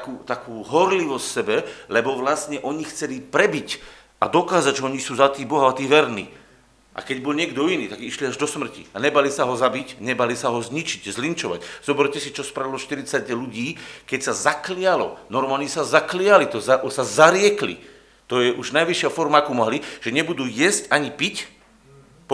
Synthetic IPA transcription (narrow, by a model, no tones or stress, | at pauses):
t̪akuːt̪akuːɦɔɾliʋɔssɛbɛlɛbɔʋlasɲɛʔɔɲixt͡sɛlipɾɛbic | a̰d̪ɔkaːzac̚t͡ʃɔɔɲisuːzat̪iːbɔɦaat̪iːʋɛɾnḭː | ʔa̰kɛɟbɔlɲɪɛɡd̪ɔiniːt̪aɡiʃliaʒd̪ɔsmr̩ciaɲɛbalisaɦɔzabicɲɛbalisaɦɔzɲit͡ʃiɟzlint͡ʃɔʋa̰cz̥ɔbɛɾcɛsit͡ʃɔspɾalɔʃt̪iɾit͡saɟluɟiːkɛcsazaklijalɔ̰nɔɾmaːlɲɛsazaklɪalit̪ɔzasazaɾɪɛklḭ | t̪ɔjɛʔuʒnajʋiʃɪafɔɾmaakumɔɦliʒ̥ɛɲɛbud̪uːjɛscaɲipic | p